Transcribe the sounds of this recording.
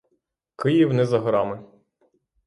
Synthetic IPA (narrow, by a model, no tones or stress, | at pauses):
kɪjiwnɪzɐɦɾɑmɪ